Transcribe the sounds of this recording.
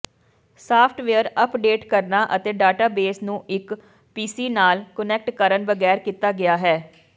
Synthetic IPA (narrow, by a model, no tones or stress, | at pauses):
saːpʰʈʋeəɾəpɖeːʈkəɾnaːʔət̪eːɖaːʈaːbeːsnũːʔɪk | piːsiːnaːlkənɛk̚ʈkəɾənbəɡɛːɾkiːt̪aːɡɪjaːɦɛː